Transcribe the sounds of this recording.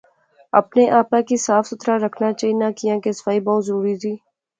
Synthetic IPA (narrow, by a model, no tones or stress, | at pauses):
ə̰pneʔaːpãkisaːfsʊt̪ɾaɾəkʰnaːt͡ʃaːinãːkijãːkesə̥faːibɔːt̪zəɾuːɾiːziː